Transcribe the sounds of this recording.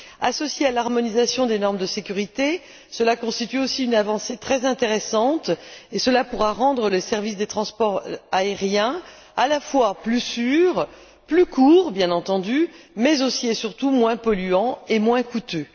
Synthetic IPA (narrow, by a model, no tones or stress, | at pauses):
asɔsjealaʁmɔnizasjɔ̃d̪enɔʁməd̪əsekʲyʁit̪e | səlakɔ̃st̪it̪yosiynavɑ̃set̪χɛzɛ̃t̪eʁesɑ̃t̪esəlapuʁaʁɑ̃d̪ʁələsɛʁvis̬d̪et̪χɑ̃spɔʁaeʁjɛ̃ | alafwaplysyːʁ | plykʰuːʁbjɛ̃nɑ̃t̪ɑ̃d̪ymɛzosiesyʁt̪umwɛ̃pɔlyɑ̃emwɛ̃kut̪ø